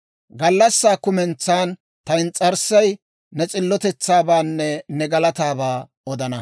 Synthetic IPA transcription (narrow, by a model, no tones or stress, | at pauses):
ɡɐlːɐsːaːkʊmɛnt͡sːaːn | t̪ɐnt͡sʼɐɾsɐj | nɛt͡sʼɪlːɔt̪ɛt͡sːaːbaːnːɛnɛɡɐlɐt̪aːbaː | ɔd̪ɐnɐ